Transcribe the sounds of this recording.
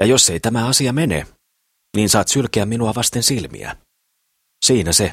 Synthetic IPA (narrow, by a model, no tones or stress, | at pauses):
jɑjo̞sːe̞jt̪æmæɑsiɑmenḛ | niːnsɑːt̪sylkeæmːinuɑʋɑst̪e̞nsilmḭæ̰ | siːnæse